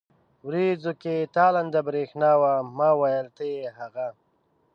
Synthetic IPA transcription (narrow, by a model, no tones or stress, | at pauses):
wɾid͡zoket̪aːland̪abɾeːxnaːwamaːwajəlt̪eɦaɣa